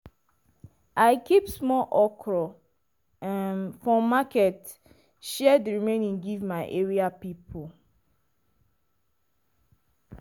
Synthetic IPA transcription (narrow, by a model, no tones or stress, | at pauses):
aɪkipsmɔlʔɔkʰɹɔ | mfɔmakɛt | ʃɛdeɹimẽnĩŋɡivmaɪʔeɹiapipʰo